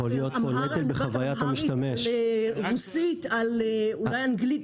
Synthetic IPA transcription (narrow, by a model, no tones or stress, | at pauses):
olijot̪oletilbeχavajatt̪amiʃʃtameʃeʁusit̪alulajanɡli